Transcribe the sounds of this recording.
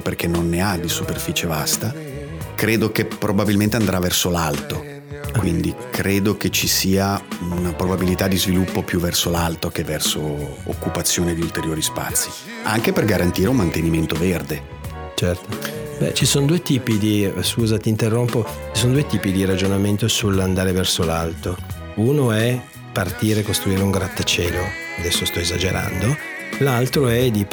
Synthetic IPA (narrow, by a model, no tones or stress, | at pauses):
perkʰenːonːead̪isuperfiːt͡ʃevast̪a | kɾeːd̪okepɾʔobabilment̪eand̪ɾavːɛrsolalt̪o | kwind̪ikɾeːd̪oket͡ʃisiːaunapɾobabilit̪ad̪ːizvilupːopjuvːɛrsolalt̪ok̟evːɛrsoo̰kːupat̪sːjoːned̪iult̪eɾjoːɾispa̰t̪sːi̥ | aŋk̟eperɡaɾant̪iːɾeumːant̪eniment̪overd̪e | t͡ʃɛrt̪obɛ̰t͡ʃisoːnod̪uːet̪iːpid̪iskuːzat̪iːnt̪erːompot͡ʃisoːnod̪uet̪iːpid̪iɾad͡ʒonament̪osuland̪aːɾevɛrsolalt̪o | uːnoɛ | part̪iːɾekost̪ɾuiːɾeuŋɡɾat̪ːat͡ʃɛːlo | ad̪ɛsːost̪ɔezad͡ʒeɾa̰nd̪olalt̪ɾoɛd̪i